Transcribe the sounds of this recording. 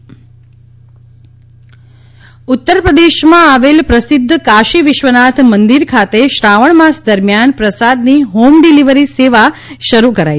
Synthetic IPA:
ut̪ːəɾpɾəd̪eʃmãaʋelpɾəsɪd̪ʱːkaʃiʋɪʃʋənat̪ʰmənd̪iɾkʰat̪eʃɾaʋəɳmasd̪əɾmjanpɾəsad̪niɦomɖiliʋəɾiseʋa | ʃəɾukəɾa̰j

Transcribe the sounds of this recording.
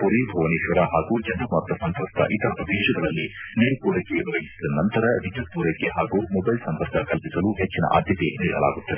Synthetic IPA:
puɾibʱoʋɐniːʃʋɐɾɐɦaːɡuːd͡ʒɐndɐmɐɾt̪ːɐsɐnt̪ɐst̪ʰɐ̰ʔit̪ɐɐpɐʋ̪eːʃɐɡɐɭɐlːineːɾukuːɽɐɡeʋiʋɐɡisid̪ɐnɐnt̪ɐɾɐʋid͡ʒɐs̚puːɾɐkːeɦaːɡumɔbɐjlsɐnd̪ɐɾkʰɐkɐlpisɐluɦet͡ʃːinɐ̰ʔa̰ːd̪ʱjɐt̪eniːɭɐ̰la̰ːɡut̪ːɐe

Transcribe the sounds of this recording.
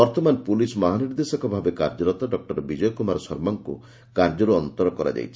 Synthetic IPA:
ɔɾt̪ɔmanpulismɔɦaniɾd̪esɔkɔbʱabekaɾd͡ʒɔɾɔt̪aɖɔk̚ʈɔɾbid͡ʒɔjɔkumaɾɔsɔɾmɔŋkṵ | kaɾd͡ʒɔɾuɔnt̪ɔɾɔkɔɾa̰d͡ʒa̰jt͡ʃʰi̥

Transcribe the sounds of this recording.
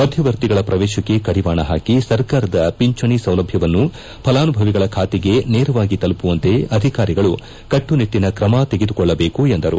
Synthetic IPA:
mɐd̪ʱjɐʋɐɾt̪iɡɐɭɐpɾɐʋɛːʃɐkːe̞kɐɽiʋaːɳɐɦaːkisɐɾkaːɾɐd̪ɐpiɲt͡ʃɐɳisɐwlɐbʱjɐʋɐnːu | pʰɐlaːnubʱɐʋiɡɐɭɐkʰaːt̪ɛɡe̞neːɾɐʋaːɡit̪ɐlupuʋɐnt̪e̞ɐd̪ʱikaːɾiɡɐɭu | kɐʈːunit̪ːinɐkɾɐmat̪eɡed̪ukɔɭːɐbeːkuend̪ɐɾṵ

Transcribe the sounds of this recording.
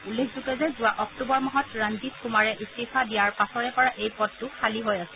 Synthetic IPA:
ulːekʰzukɛzɛzʊwaʔɔktubɔɹmɔɦɔtɹanditkumaɹɛʔistifadijaɹpasɔɹɛpɔɹaʔejpɔdːʊxʰaliɦojasɛ

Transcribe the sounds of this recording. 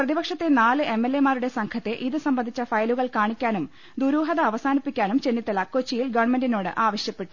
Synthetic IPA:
prɐðibɐkʂɐt̪ːe̞naːlɨʔe̞mːelːemaːɾuɽe̞sɐŋkʰɐt̪ːeʔiðɨsɐmbɐnd̪ʱit͡ɕːɐfɐjɐluɣɐɭkaːɳikʲːaːnum | d̪uɾuːɦɐðɐːʋɐsaːnipːikʲːaːnumt͡ɕe̞nːit̪ːɐlɐko̞t͡ɕːijilɡɐʋɳme̞ndinoːɽɨ̰ʔaːʋɐɕjɐpːe̞ʈːu̥

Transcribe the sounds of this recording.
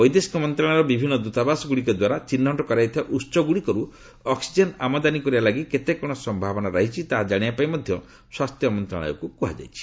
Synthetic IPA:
bɔjd̪esi̥kɔmɔnt̪ɾaɭ̃aɾɔbibʱinːɔd̪ut̪abasɔɡuɽikɔd̪waɾat͡ʃinːɔɳʈɔkɔɾajt̪ʰibaʔutt͡ʃɔɡuɽikɔɾu | ɔksid͡ʒena̰mɔd̪anikɔɾibalaɡiket̪ekɔɽ̃ɔsɔmbʱabɔnaɾaɦit͡ʃʰit̪aɦad͡ʒaɽ̃iapajmɔd̪ʱjɔ | swast̪ʰjɔmɔnt̪ɾa̰ɭ̃ɔ̰jɔ̰kukuɦa̰d͡ʒa̰jt͡ʃʰi̥

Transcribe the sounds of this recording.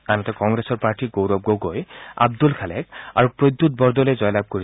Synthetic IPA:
anɔtɛkɔŋɡɹɛsɔɹpaɹtiɡowɹɔb̚ɡoɡoja̰bdulkʰalɛ̰k̚a̰ɹupɹod̪ːut̚bɔɹdɔlejzɔjlab̚koɹi

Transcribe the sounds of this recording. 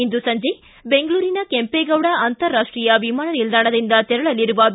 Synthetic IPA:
ind̪usɐɲd͡ʒe | be̞ŋɡɐɭuːɾinɐkempeːɡɐʋɽɐɐnt̪ɐɾːaːʂʈɾiːjɐʋimaːɳɐnild̪aːɳɐd̪ind̪ɐt̪ɛɾɐɭɐliɾuʋɐ

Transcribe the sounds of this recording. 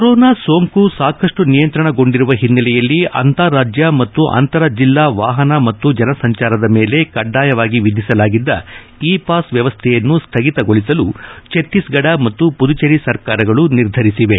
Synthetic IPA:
koɾɔːnaːso̞ːŋkusaːkɐʂʈunijɐnt̪ɾɐɳɐɡo̞ɳɖiɾuʋɐɦinːɐlɛjɐlːiʔɐ̰nt̪aːɾaːd͡ʒjɐmɐt̪ːuʔɐ̰nt̪ɐɾɐd͡ʒilːaːʋaːɦɐnɐmɐt̪ːud͡ʒɐnɐsɐɲt͡ʃaːɾɐd̪ɐmeːle̞kɐɖːaːjɐʋaːɡiʋid̪ʱisɐlaːɡid̪ːɐ | iːpaːsʋjɐʋɐst̪ʰɛjɐnːust̪ʰɐɡit̪ɐɡoɭisɐlut͡ʃet̪ːisɡɐɽɐmɐt̪ːupud̪ut͡ʃeɾisɐɾkaːɾɐɡɐɭuniɾd̪ʱɐɾisiʋe̞

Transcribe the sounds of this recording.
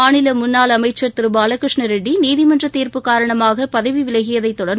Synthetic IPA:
aːɳɪlɐmʊnːaːlɐmɐɪt͡ʃːɐɾt̪ɪɾɯbaːlɐkɾɪʂɳɐɾɛɖːiniːðɪmɐndrɐt̪ːeːɾpɯkaːɾɐɳɐmaːɣɐpɐðɐʋiʋɪlɐɣɪjɐðɐɪt̪ːɔɽɐɾ

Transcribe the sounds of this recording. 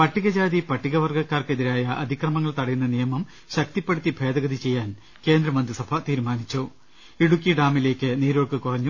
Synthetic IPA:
pɐʈːiɣɐd͡ʑaːd̪ipɐʈːiɣɐʋɐrɡɐkːaːrkeðiɾaːjɐʔɐd̪ʱikrɐmɐŋːɐɭt̪ɐɽɐjunːɐnijɐmɐm | ɕɐk̚t̪ipːe̞ɽut̪ːibʱe̞ːd̪ɐɣɐd̪it͡ɕe̞jːaːn | ke̞ːnd̪ɾɐmɐnd̪risɐbʱat̪iːɾumaːnit͡ɕːo | iɽukʲːiɖaːmile̞ːkʲːɨniːɾoːɭkɨkurɐɲːu

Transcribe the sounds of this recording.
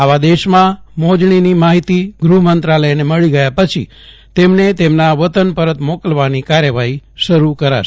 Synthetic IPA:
aʋad̪eʃmãmod͡ʒɳinimaɦit̪iɡɾumənt̪ɾaləjneməɭiɡəjapət͡ʃʰḭ | t̪emnet̪emnaʋət̪ənpəɾət̪mokəlʋanikaɾjəʋaɦiʃəɾukəɾa̰ʃ

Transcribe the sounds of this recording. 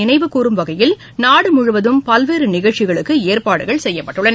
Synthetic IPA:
ɪnɐɪʋɯkuːɾɯmʋɐɣɐjɪl | naːɽɯmʊɻʊʋɐðɯmpɐlʋeːɾɯnɪɣɐɭt͡ʃːɪɣɐɭɯkːɯeːɾpaːɽɯɣɐɭsɛjːɐpɐʈːɯɭːɐn

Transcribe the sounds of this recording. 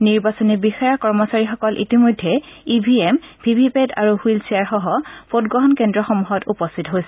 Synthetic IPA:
niɹbasɔnibixajakɔɹmɔsaɹixɔkɔlʔḭtimojdʱːɛibʱiempʰibʱipeda̰ɹuhwilsiaɹxɔɦɔpodɡɹɔɦɔnkɛndɹɔxɔmuɦɔtupɔstʰitɔɦojsɛ̥

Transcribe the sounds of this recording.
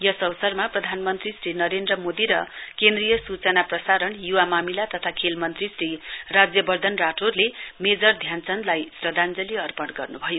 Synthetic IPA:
jʌsʌwʌsʌrmaprʌd̪ʱanmʌnt̪risrinʌɾend̪rʌmod̪iɾʌ̰kend̪rijʌsut͡sʌnaprʌsaɾʌnjuwamamilat̪ʌt̪ʰakʰelmʌnt̪risrirad͡zjʌbʌrd̪ʱʌnraʈʰorlemed͡zʌrd̪ʱjant͡sʌnlajsrʌd̪and͡zʌliʌrpʌɽɡʌrnubʱʌjo

